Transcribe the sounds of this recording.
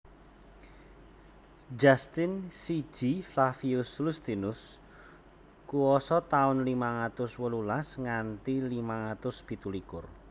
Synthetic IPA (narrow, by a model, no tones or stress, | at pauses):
d͡ʒast̪insi̥ʒ̥iflafiʊslust̪inʊs | kuwɔsɔt̪aʊnlimaŋat̪ʊswəlulasŋant̪ilimaŋat̪ʊsb̥i̤t̪ulikʊr